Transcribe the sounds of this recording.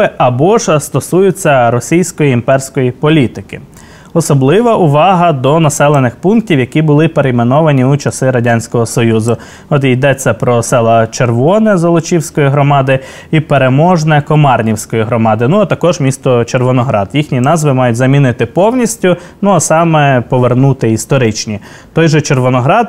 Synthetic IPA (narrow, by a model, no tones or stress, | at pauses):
ɪʔɐbɔʒst̪ɔsujʊt͡sʲːɐɾɔsʲijsʲkɔjiːmpɛrsʲkɔjipɔlʲit̪ɪkɪ | ɔsɔblˠɪʋɐʔʊʋɑɦɐd̪ɔnɐsɛlˠenɪxpunk̚tʲiwjɐkʲibʊlˠɪpeɾejmenɔʋɐnʲiut͡ʃɐsɪɾɐdʲanʲsʲkɔɦɔsɔjuzʊ | ɔt̪ijd̪ɛt͡sʲːɐpɾɔsɛlˠɐt͡ʃerʋɔnɛzɐlˠɔt͡ʃʲiwsʲkɔjiɦɾɔmɑd̪ɪ | ipeɾemɔʒnɛkɔmɑrnʲiwsʲkɔjiɦɾɔmɑd̪ɪnuɐt̪ɐkɔʒmʲist̪ɔt͡ʃerʋɔnɔɦɾɑ̰d̪jixnʲinɑzʋɪmɑjʊt̚ʲzɐmʲinɪt̪ɪpɔwnʲisʲtʲʊ | nuɐsɑmɛpɔʋernut̪ɪist̪ɔɾɪt͡ʃnʲi | t̪ɔjʒɛt͡ʃerʋɔnɔɦɾɑd̪